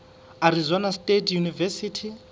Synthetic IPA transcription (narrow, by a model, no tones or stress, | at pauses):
aɾizɔnastʼetʰjunivɛsitʰi